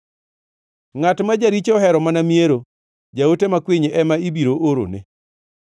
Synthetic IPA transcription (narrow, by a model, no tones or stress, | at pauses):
ŋatmad͡ʒaɾit͡ʃɔɦɛɾɔmanamieɾo | d͡ʒaotemakwiɲʔɛmaibiɾoʔoɾo̰nɪ̰